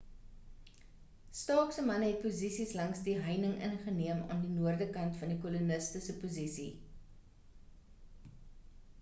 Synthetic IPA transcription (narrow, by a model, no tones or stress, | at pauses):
stɑːksəmɐnɦɛt̚puzisislɐŋsdiɦəjnəŋʔə̰nχəniəmɑ̰ːndinuərdəkɐntfɐndikɔlunəstəsəpuzisḭ